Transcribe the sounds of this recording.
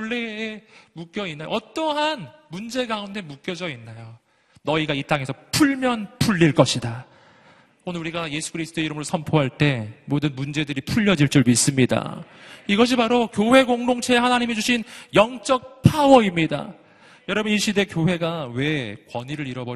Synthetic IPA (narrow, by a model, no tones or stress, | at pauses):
uɭːe̞ːmuk͈jʌinːajo̰ʌt͈ʌɦanmund͡ʑe̞ɡaunde̞muk͈jʌd͡ʑʌinːajo | nʌiɡait͈aŋe̞sʰʌpʰuɭmjʌnpʰuʎːiɭk͈ʌɕʰida | onɯɭɾuɾiɡaje̞sʰu̥kʰɯɾisʰt͈ʰoe̞iɾɯmɯɾosʰʌmpʰoɦaɭt͈e̞modɯnmund͡ʑe̞dɯɾipʰuʎːʌd͡ʑiɭt͡ɕ͈uɭmis͈ɯmɲida̰iɡʌɕ̬ʰibaɾokjowe̞ɡoŋdoŋt͡ɕʰe̞ehanaɲimid͡ʑuɕʰinjʌŋt͡ɕ͈ʌk̚pʰawʌimɲida̰ | jʌɾʌbʌniɕʰide̞kjoɦe̞ɡawe̞kwʌɲiɾɯɾiɾʌbo